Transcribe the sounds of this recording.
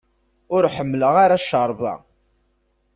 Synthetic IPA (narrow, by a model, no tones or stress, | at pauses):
ʊɾħəmːləʁaɾaʃəɾˤva̰